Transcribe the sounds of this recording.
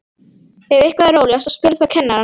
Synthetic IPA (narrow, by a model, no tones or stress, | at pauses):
ɛvɪhkvaðaɾoːwljasɔspɪɾθawkʰɛnːaɾa